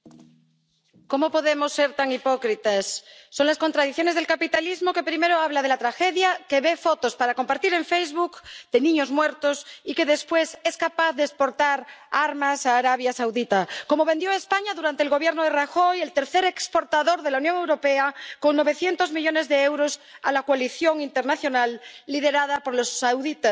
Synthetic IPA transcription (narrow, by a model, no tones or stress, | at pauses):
ko̞mopo̞ðemosːe̞ɾt̪aŋipokɾit̪asːo̞ŋlaskont̪ɾaðiθjone̞zð̞elkapit̪alizmoke̞pɾime̞ɾoaβ̞laðe̞lat̪ɾaxeðjake̞βe̞fot̪ospaɾakompaɾt̪iɾe̞ɱfejzβukd̪e̞nĩɲozmweɾt̪osike̞ðe̞spwe̞se̞skapaθðeːspo̞ɾt̪aɾaɾmasaːɾaβjasawðit̪ako̞moβe̞nd̪joespaɲaðuɾant̪eːlɣo̞β̞jeɾnoðeraxo̞jelt̪e̞ɾθeɾe̞kspoɾt̪aðo̞ɾðe̞launjoŋe̞wɾo̞peako̞ŋno̞β̞e̞θje̞nt̪o̞zmiʎo̞ne̞zðeewɾosa̰lakwaliθjo̞ŋint̪e̞ɾnaθjo̞nalːiðe̞ɾaðapoɾlosːawðit̪a